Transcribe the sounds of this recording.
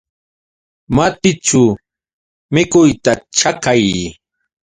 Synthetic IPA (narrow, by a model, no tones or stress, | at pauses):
mat̪ɪt͡ʃʊ | mɪkʊjt̪aʈ͡ʂakaj